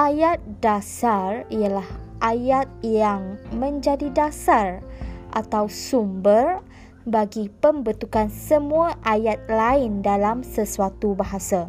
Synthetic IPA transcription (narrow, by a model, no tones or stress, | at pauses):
ʔajat̪̚dasarijalahʔajat̪̚jaŋmə̃ɲd͡ʒadidasarʔa̰t̪awsumbər | baɡipəmbət̪ukansəmũaʔajat̪̚laɪndalamsəsuat̪ubaɦasa